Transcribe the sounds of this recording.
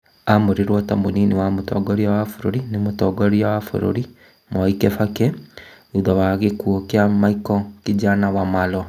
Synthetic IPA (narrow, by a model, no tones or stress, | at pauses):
amoɾiɾwɔtamoninewamotɔ̰ɡɔɾiawafoɾoɾinemotɔɡɔɾiawafo̰ɾo̰ɾi | mɔikɛfakɛ | uðawaɣekuokeamaikɔkid͡ʒanawamalɔ